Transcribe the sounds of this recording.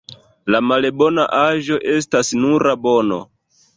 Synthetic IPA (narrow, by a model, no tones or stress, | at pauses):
lamalebo̞na̰ʔaʒo̞ʔe̞stasnuɾabo̞no̞̰